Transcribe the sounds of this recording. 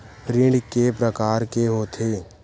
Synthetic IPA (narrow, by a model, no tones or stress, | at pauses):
ɾɪ̃ɳɖkepɾəkaːɾkeɦoːt̪ʰeː